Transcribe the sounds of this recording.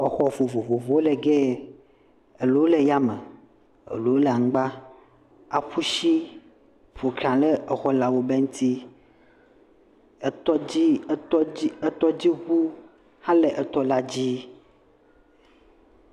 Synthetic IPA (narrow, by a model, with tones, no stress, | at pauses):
ɔ˨xɔ˨vo˨vo˨vo˨vo˨wo˦le˨ɡɛ˦ | e˨lo˨˦o˦le˨ja˦me˨ | ḛ˨lo˨˦o˦lɛ˨a˨ŋ̩˦ɡ͡ba˦ | a˨ɸu˦ʃi˦ | vo˨kɾã˨lɛ˦ɛ˨xɔ˦la˨wo˦be˦ŋũ˦t̪i˦ | ɛ˨t̪ɔ˦i˦i˦ɛ˦t̪ɔ˦d͡ʑi˦ɸu˦ | hã˦le˨ʔɛ˨t̪ɔ˦la˦d͡ʑi˦